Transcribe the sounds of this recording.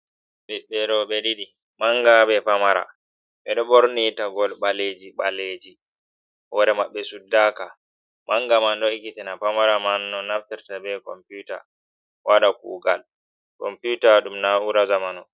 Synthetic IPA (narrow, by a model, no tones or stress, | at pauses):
ɗiɓːɛɾɔɓɛɗiɗi | maŋɡaɓɛpamaɾa̰ | ɓɛɗɔɓɔɾnitaɡɔlɓaled͡ʒiɓaled͡ʒi | hɔɾɛmaɓːɛsudːaːka | mʔaŋɡamandɔikitɛnapamaɾamanːɔnaftɛɾtabɛkɔ̰mpjuta̰ | wʔaɗakṵːɡal | kɔ̰mputaɗumnauɾazamanɔ